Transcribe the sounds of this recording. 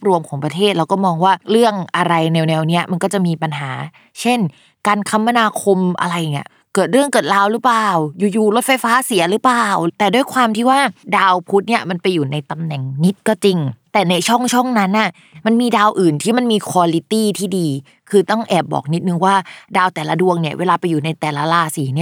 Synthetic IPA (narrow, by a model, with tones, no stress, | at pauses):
p̚ɾu˧əmkʰɔː˩˦ŋpɾa˧t̪ʰeː˥˩t̪̚ɾa˧wkɔː˥˩mɔː˧ŋwaː˥˩ɾɯ˥˩əŋʔa˧ɾa˧jnɛː˧wnɛː˧wni˦˥ɐʔma˧nkɔː˥˩t͡ɕa˨˩ʔmiː˧pa˧nɦaː˩˦ | t͡ɕʰe˥˩n | kaː˧nkʰa˦˥mːa˧naː˧kʰo˧mʔa̰˧ɾa˧ja˨ŋi˦˩ɐ | kɤː˨˩t̪̚ɾɯ˥˩əŋkɤː˨˩t̪̚laː˦˥wɾɯ˦˥plaː˨˩wjuː˨˩juː˨˩lo˦˥t̪̚fa˧jfaː˦˥si˨˩˦ɐɾɯː˦˥plaː˨˩wt̪ɛː˨˩du˥˩jkʰwaː˧mt̪ʰiː˥˩waː˥˩daː˧wpʰu˦˥t̪̚ni˥˩ɐma˧npa˧jːuː˨˩na˧jt̪a˧mnɛ˨˩ŋni˦˥t̪̚kɔː˥˩t͡ɕi˧ŋt̪ɛː˨˩na˧jt͡ɕʰɔ˥˩ŋt͡ɕʰɔ˥˩ŋna˦˥nʔa˧˥˩ | ma˧nmiː˧daː˧wʔɯː˨˩nt̪ʰiː˥˩ma˧nmiː˧kʰwaː˧li˦t̪iː˥˩t̪ʰiː˥˩diː˧ | kʰɯː˧t̪ɔ˥˩ŋʔɛː˨˩p̚bɔ̰ː˨˩k̚ni˦˥t̪̚nɯ˧ŋwaː˥˩daː˧wt̪ɛː˨˩la˦˥du˧əŋni˥˩ɐʔweː˧laː˧pa˧jːuː˨˩na˧jt̪ɛː˨˩la˦˥laː˧˩siː˨˦ni˥˩ɐ